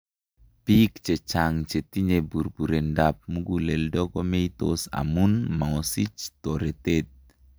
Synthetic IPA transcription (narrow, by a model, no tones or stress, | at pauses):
pikt͡ʃet͡ʃaŋt͡ʃet̪iɲebuɾbuɾendap̚muɡuleldɔɡɔmeit̪o̰sa̰munmaŋosit͡ʃt̪oɾet̪et̪̚